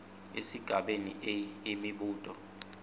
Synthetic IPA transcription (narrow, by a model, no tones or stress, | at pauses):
ḛsiɡ̥ʱaɓenḭʔɛimiɓuːtʼɔ